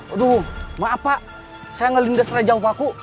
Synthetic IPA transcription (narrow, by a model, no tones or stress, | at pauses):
ɾumaːpaʔ | sajaŋəlindasrad͡ʒaupaku